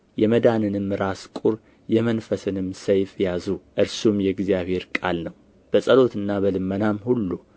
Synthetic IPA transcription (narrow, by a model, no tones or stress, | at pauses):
jɛməd̪anɨnɨmːɾaskʼuɾ | jɛmənfəsɨnɨmsəjfjazuʔɨɾsumjɛɡzijaβhe̞ɾkʼalnəw | b̥əsʼəlo̞t̪ɨnːabəlɨmːənamhulːu